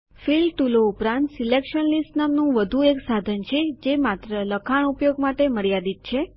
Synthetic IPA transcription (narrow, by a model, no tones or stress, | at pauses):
filʈuloupɾãnt̪silekʃənlisʈnamnũʋəd̪ʱueksad̪ʱənt͡ʃʰed͡ʒemat̪ɾələkʰaɳupjoɡmaʈeməɭjad̪it̪̚t͡ʃʰe